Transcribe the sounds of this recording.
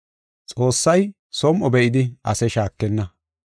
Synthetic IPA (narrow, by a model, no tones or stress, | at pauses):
t͡sʼoːsːɐj | sɔmʔɔbɛʔɪd̪ɪʔɐsɛʃaːkːɛnːɐ